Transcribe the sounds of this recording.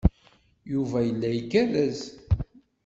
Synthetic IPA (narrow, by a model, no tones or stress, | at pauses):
juvæjəlːæjikːælæz